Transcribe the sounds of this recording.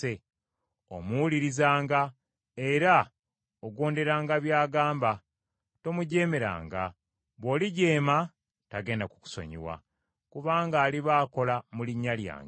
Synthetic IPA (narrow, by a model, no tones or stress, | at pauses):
e | o̰muliɾizaːŋɡa | eɾa | oɡo̞ːnde̞ɾaːŋɡaβjaːɡaːmba | to̞muɟe̞ːme̞ɾa̰ːŋɡa̰ | βwo̞ːliɟe̞ːma | taɡe̞ːndaku̥ku̥so̞̰ɲḭwa̰ | kuβaːŋɡaːliβaːko̞lamuliɲːalja̰ːŋɡ